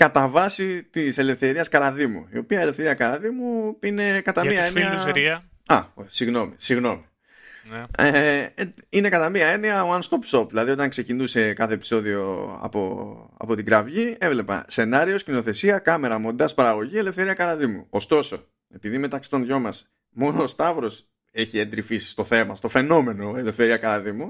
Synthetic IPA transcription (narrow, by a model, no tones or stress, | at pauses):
kɐt̪ɐvɐsit̪ise̞le̞fθe̞ɾiɐskɐɾɐðimṵio̞piɐe̞le̞fθe̞ɾiɐkɐɾɐðimuine̞kɐt̪ɐiɐenɐi | ɐ̰osiɣno̞misiɣno̞mi | e | ine̞kɐt̪ɐmiɐe̞niɐoɐnst̪o̞pso̞pðilɐðio̞t̪ɐŋkse̞cinuse̞kɐθe̞ːpiso̞ðio̞̰ɐ̰po̰ | ɐ̰po̞t̪iɡɾɐvʝie̞vle̞pɐ̰se̞nɐɾio̞scino̞θe̞siɐkɐme̞ɾɐmo̞nd̪ɐspɐɾɐɣo̞ʝiele̞fθe̞ɾiɐkɐɾɐðimṵost̪o̞so̞ | e̞piðime̞t̪ɐksi̥t̪o̞nðʝo̞mɐs | mo̞noːst̪ɐvɾo̞s | e̞çiend̪ɾifisst̪o̞θe̞mɐst̪o̞fe̞no̞me̞no̞e̞le̞fθe̞ɾiɐkɐɾɐðimu